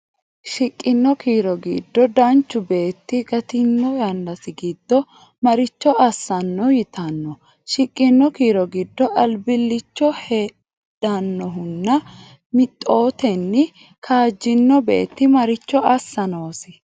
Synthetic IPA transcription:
ʃɪkʼːɪnːɔkiːɾɔɡḭːd̪ːɔd̪ɐnt͡ʃːʊbe̞ːt̪ːɪɡɐt̪ɪnːɔjɐnd̪ɐsɪɡiːd̪̥ːɔ | mɐɾɪt͡ʃːɔɐsːɐnːɔjɪt̪ʰɐnːɔ | ʃɪkʼːɪnːɔkiːɾɔɡid̪ːɔʔɐlbɪlːɪt͡ʃːɔheː | d̥ɐnːɔɦʊnːɐ | mɪt̪ʼːo̞ːt̪ɛnːɪ | kʰaːd͡ʒːɪnːɔbe̞̰ːt̪ːɪmɐɾɪt͡ʃːɔʔɐsːɐnoːsɪ

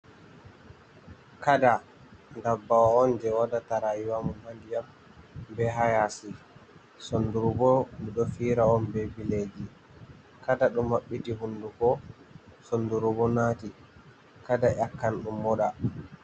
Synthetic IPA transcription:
kada | ndabːawaɔnd͡ʒɛwadataɾajiwamumhandijam | bɛɦajasi | sonduɾubɔnuɗɔfiːɾaɔnbebiled͡ʒi | kadaɗumːaɓːitihundukɔ | sonduɾubɔnati | kadaʔakːanɗumːɔɗa

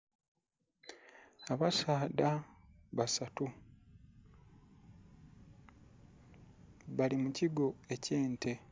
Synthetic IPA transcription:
aβasaːdaβasatu | βalimuciɡo̞e̞ce̞ːntʰe̞

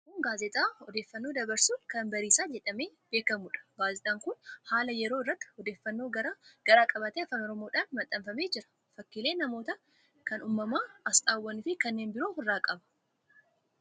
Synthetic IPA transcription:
muːŋɡaːzɛt̪ʼaːɔd̪eːfːɐnːo̞ːd̪ɐbɐɾsuːnkɐnbɐɾiːsaːd͡ʒɛᶑɐme̞ːb̥e̞ːkɐmʊᶑɐ̥baːzɪt̪ʼaːŋkʊnhaːlɐjɛɾoːɪrːɐt̪ːɪ̥ɔd̪eːfːɐnːo̞ːɡ̥ɐɾaːkʼɐbɐt̪eːfaːnɔɾɔmo̞ːᶑaːnmɐt̪ʼːɐmfɐme̞ːd͡ʒɪɾɐ̥ | fɐkːileːnɐmoːt̪ɐ | kɐnuːmːɐmaːɐst̪ʼaːwːɐnɪfɪkɐnːeːnbɪɾoːhʊrːaːkʼɐbɐ̥

